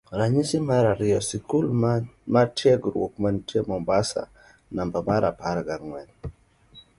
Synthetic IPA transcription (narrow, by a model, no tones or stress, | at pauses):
ɾaɲisimaɾaɾɪɔsikulmatjɛɡɾwok̚mantiɛmɔmbasa̰ | nambabaɾʔapaɾaɡaɾŋwɛn